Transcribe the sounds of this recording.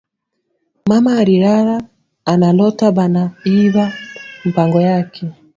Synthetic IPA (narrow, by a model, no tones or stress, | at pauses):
mamaːɾiɾaɾaː | nalɔtabanaiβam̩paŋɡɔjakʰɛ